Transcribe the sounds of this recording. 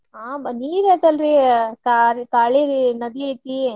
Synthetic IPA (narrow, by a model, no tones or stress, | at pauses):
aːbɐniːɾeːt̪ɐlɾikaɾkaːɭiɾnɐd̪iet̪i